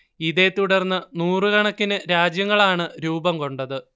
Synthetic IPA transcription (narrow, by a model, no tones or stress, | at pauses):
iðe̞t̪uɽɐrnːɐnuːrɨkɐɳɐkːinɨɾaːd͡ʑjɐŋːɐɭaːɳɨɾuːbɐmko̞ɳɖɐðɨ